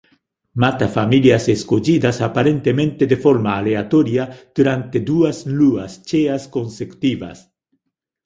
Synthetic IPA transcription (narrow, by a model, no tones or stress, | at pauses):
mat̪afamiljaseskod͡ʒid̪asapaɾent̪emẽnt̪ed̪efoɾmaːleat̪oɾjad̪̥uɾant̪ed̪uasluast͡ʃeaskonseku̥t̪iva̰s